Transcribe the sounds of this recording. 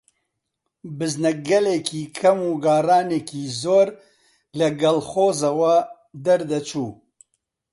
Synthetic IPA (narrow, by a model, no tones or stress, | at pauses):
bɨznɐɡɐlekʰiːkʰɐmuːɡaːraːneːkiːzoːɾ | lɐɡɐlxoːzɐwɐ | d̪ɐɾd̪ɐt͡ʃʰuː